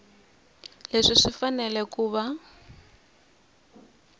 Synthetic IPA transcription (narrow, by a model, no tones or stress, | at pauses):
leʂiʂifanɛlɛkuːβa